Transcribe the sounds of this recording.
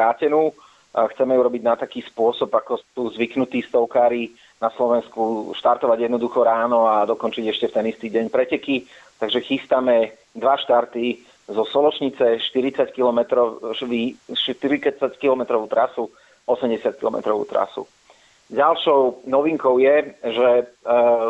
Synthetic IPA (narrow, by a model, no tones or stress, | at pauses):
ɾaːcɛnuː | xt͡sɛmɛuɾɔbiɟnat̪akiːspʊɔsɔbakɔsuːzʋiknut̪iːst̪ɔʊkaːɾi | naslɔʋɛnskuʃt̪aɾt̪ɔʋaɟjɛd̪nɔd̪uxɔɾaːnɔad̪ɔkɔnt͡ʃiɟɛʃcɛft̪ɛnist̪iːɟɛɲpɾɛcɛki | t̪aɡʒɛxist̪amɛ | d̪ʋaʃt̪aɾt̪i | zɔspɔlɔt͡ʃɲit͡sɛʃt̪iɾit͡sackilɔmɛt̪ɾɔʋiʃt̪iɾit͡sat͡sackilɔmɛt̪ɾɔʋuːt̪ɾasu | ɔsɛmɟɛsɪat̪kilɔmɛ̰t̪ɾɔʋṵːt̪ɾa̰sṵ | ɟalʃɔʊnɔʋiŋkɔʊjɛʒɛ